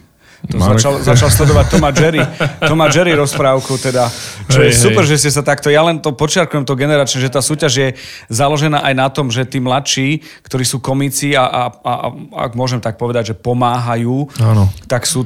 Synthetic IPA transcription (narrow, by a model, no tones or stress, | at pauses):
t̪ɔzat͡ʃalzat͡ʃalslɛd̪ɔʋac̚t̪ɔmad͡ʒɛɾit̪ɔmad͡ʒɛɾiɾɔspɾaːʊkut̪ɛd̪at͡ʃɔjɛsupɛɾʒɛscɛs̬at̪akt̪ɔjalɛnt̪ɔpɔt͡ʃɪaɾkujɛmt̪ɔɡɛnɛɾaːt͡ʃɲɛʒɛt̪aːsuːcaʒjɛzalɔʒɛnaːʔajnat̪ɔmʒɛt̪iːmlat̪ʃiː | kt̪ɔɾiːsuːkɔmit͡siaʔaa̰a̰ɡmʊɔʒɛmt̪ak̚pɔʋɛd̪aɟʒɛpɔmaːɦajuːant̪aksuː